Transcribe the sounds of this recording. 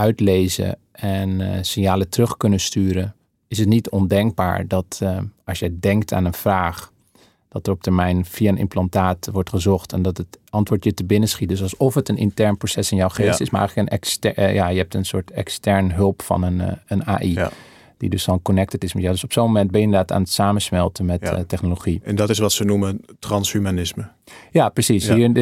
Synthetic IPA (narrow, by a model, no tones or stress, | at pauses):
œɥtlejzə̰ | ɛnsɪnjaːlətərɵχkɵnəstyːɾə | ɪsətnitɔndɛŋɡ̚ba̰ːɹdɑtɑlˠsjədɛŋk̚tʰa̰ːnənv̥raːχ | d̥ɑtərɔp̚təɹmɛjnfiaənɪ̰mplɑntaːtʋɔɹtχəzɔχtɛndɑtətɑntʋʊːɹtjətəbɪnəsχit̚døsɑlˠsɔfətənʔɪ̰ntɛɹnprosɛsɪnjawχeːstɪsmaɹ̰jxələkənɛ̰kstjajəɦɛp̚tənsʊ̰ːɹtɛ̰kstɛɹnɦɵlˠpfɑ̰nənəna̰ːʔi | d̥ḭdøsɔnkonɛk̚tətɪsmɛjadøsɔpsoːmomɛnt̚bɛjəɪndədaːta̰ːnətsaːmənsmɛlˠtəmɛttːɛχnoloχiɛndɔtɪsʋɑtsənumətrɑnshymanɪsmə | japrəsishi